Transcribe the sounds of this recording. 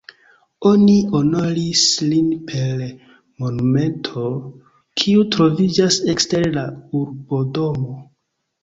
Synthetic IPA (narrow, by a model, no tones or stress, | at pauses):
o̞niʔono̞ɾislinpʰe̞ɾ | mo̞nume̞ntʰo̞ | kʰiutɾo̞vid͡ʒase̞kste̞ɾlauɾbo̞do̞mo